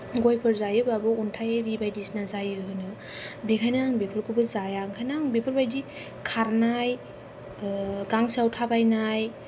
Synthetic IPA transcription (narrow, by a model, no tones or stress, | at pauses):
ɡojpʰɯɾzajɯbabɯuntʰajaɾibajdisnazajɯɦɯnɯbekʰajnaŋbepʰɯɾkʰubɯzajaŋkʰajnaŋbepʰɯɾbajdi | kʰaɾnaj | ɡaŋsiawtʰabajnaj